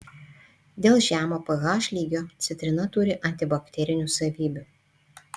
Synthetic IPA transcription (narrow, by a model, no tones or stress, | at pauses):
d̪ʲeːlˠʒʲæːmoːpɐɣɑːʃʲlʲiːɡʲoːt̪sʲɪt̪ʲɾʲɪnɐt̪ʊɾʲɪʔɐnʲt̪ʲɪbɐkʲt̪ʲɛɾʲɪnʲuːˑsɐʋʲiːbʲʊˑ